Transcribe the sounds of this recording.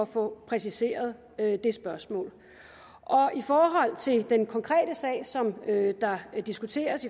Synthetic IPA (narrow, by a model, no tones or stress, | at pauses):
ɒfɔ̽pʰʁɛs̬ise̝̰ːɐð̞ˠ | ød̥e̝sb̥ɶɐsmɔ̰ːl | ʔɒ̽ifɒːɦɒ̽l̰t͡sʰe̝ld̥enkʰɒ̽ŋkʰʁɛ̰ːɾ̥əsɛ̰ːɪsɒ̽mød̥ɑ̈d̥isɡ̥ut͡sʰe̝̰ːɐsi